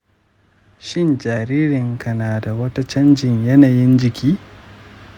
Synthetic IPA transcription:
ʃɪ˦nd͡ʒaː˨ɾiː˦ɾɪ˨ŋkʰɐ˨naː˨da˨wɐ˦ta˦t͡ʃɐ˦nd͡ʒɪ˨ɲjɐ˦naː˨jɪ˦nd͡ʒɪ˨kʲʰiː˦

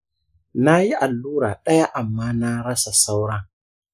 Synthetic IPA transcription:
na˦ji˦ʔa˨lːuː˦ɾa˨ɗɐ˦ja˦ʔa˨mːaː˦na˦ɾɐ˦sa˨sa˦wɾɐ˦ŋ

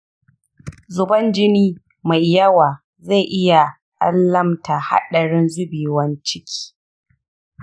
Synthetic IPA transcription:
zʊ˨bɐ˦nd͡ʒɪ˦niː˦ | ma˨jjɐ˦waː˨ | za˦˨ʔɪ˦ja˨ | ʔa̰˦lːɐ˦mta˨ha̰˦ɗɐ˨ɽɪ˦nzʊ˦biː˨wɐ˦nt͡ʃɪ˦kʲʰi̥ː˦

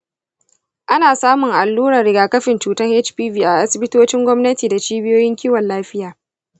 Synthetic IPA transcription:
ʔa˦naː˨saː˦mʊ˨ŋʔa˨lːuː˦ɾɐ˨rɽɪ˨ɡaː˨kɐ˦ɸɪ˨nt͡ʃuː˨tɐ˦ŋhe˦t͡ʃpiː˦viː˨ʔa˨ʔa˦sɪ˨bɪ˦toː˦t͡ʃɪ˦ŋɡʷɔ˦mnɐ˦tiː˨da˨t͡ʃiː˦bɪ˦joː˦jɪ˦ŋkʲiː˦wɐ˨nlaː˦ɸɪ˦jaː˨

